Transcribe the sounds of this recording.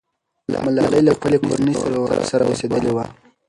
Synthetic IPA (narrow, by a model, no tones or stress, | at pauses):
la̰malɑləjlaxpəleko̰ɾanəjsaɾawa̰ɾ̰saɾa̰osed̪əlewa